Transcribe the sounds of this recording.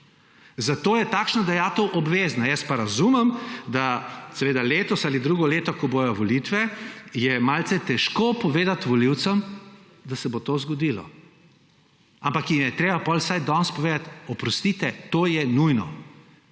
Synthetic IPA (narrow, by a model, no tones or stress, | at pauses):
zat̪oːjɛt̪aːkʃnad̪ɛjaːt̪owʔɔbʋeznajɛst̪paɾazumɛmd̪asɛʋeːd̪aleːt̪ɔsaːlid̪ɾuɡɔleːt̪ɔkɔbojɔʋɔlit̪ʋɛjɛmalt̪sɛt̪ɛʃkopɔʋeːd̪at̪ʋɔliwt̪sɐm | d̪asɛbot̪ozɡɔd̪ilɔ̰ | ampakjimjɛt̪ɾeːbapɔlsajd̪ɔnspɔʋeːd̪at̪ɔpɾɔst̪it̪ɛt̪oːjɛnujnɔ